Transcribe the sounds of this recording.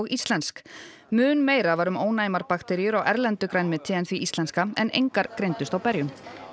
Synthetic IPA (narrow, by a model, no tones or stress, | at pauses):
ɔɣist̪lɛnsk | mʏːnmeːjɾavaːɾʏmoːwnajmaɾpakt̪ɛɾijʏɾawʔɛɾlɛnt̪ʏkɾajnmɪt̪ʰɪːðɛnθviist̪lɛnskaɛnʔḛjŋkaɾkɾejnt̪ʏst̪awpɛɾjʏm